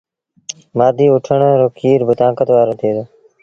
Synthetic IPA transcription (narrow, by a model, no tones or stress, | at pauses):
maːd̪ʱiːʊʈʰəɳɾoːkiːɾbʊt̪ãːkət̪ʋaːɾõːt̪ʰeːd̪oː